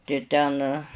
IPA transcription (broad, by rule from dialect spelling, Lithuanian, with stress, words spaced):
tɐɪ ˈtʲɛn